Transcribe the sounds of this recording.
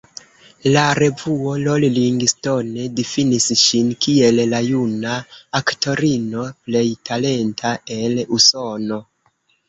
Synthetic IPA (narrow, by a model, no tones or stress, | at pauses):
laɾe̞vuo̞lolliŋɡisto̞ne̞difinisʃinkie̞llajunaːkto̞ɾino̞ple̞jtʰale̞ntʰae̞luso̞no̞